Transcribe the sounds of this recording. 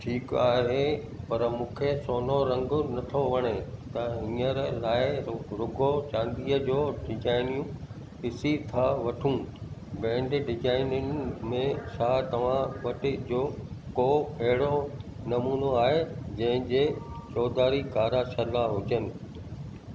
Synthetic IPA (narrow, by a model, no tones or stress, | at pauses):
ʈʰiːkaːɦe | pɐɾmũːkʰesoːnoɾɐ̃ŋɡʊnɐt̪ʰoʋɐɽ̃et̪ɐɦĩːəɾlaːɪɾʊɡot͡ɕãːnd̪iːəd͡ʑoːɖɪd͡ʑaːɪnijũ | pɪsit̪ʰaʋɐʈʰũbɛ̃ːɳɖɖɪzaːɪnənmẽʃaːt̪ɐʋ̤ãʋɐʈɪ̆d͡ʑoːkoɐɦɪɽo | nɐmuːnoaːɦed͡ʑɐ̃ɦɪ̃d͡ʑeːt͡ɕɔːd̪aːɾikaːɾaʃɐlaɦʊd͡ʑənɪ̆